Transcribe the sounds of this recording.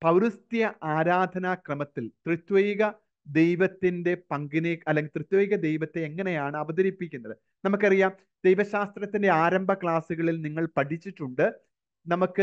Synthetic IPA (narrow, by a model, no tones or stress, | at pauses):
pɐʋɾust̪jɐʔaːɾaːd̪ʱɐnakrɐmɐt̪ːilt̪rɨt̪weːɣɐ | d̪e̞jʋɐt̪ːinde̞pɐŋɡineɐlːeŋɡilt̪rɨt̪weːɣɐd̪e̞jʋɐt̪ːe̞ːŋːɐne̞jaːɳɨɐʋɐðɐɾipːikʲːunːɐðɨ | nɐmukːɐrijaːm | d̪ejʋɐɕaːst̪rɐt̪ːinde̞aːɾɐmbʱɐkɭaːsuɣɐɭilniŋːɐɭpɐʈʰit͡ɕːiʈːuɳɖɨ | nɐmukːɨ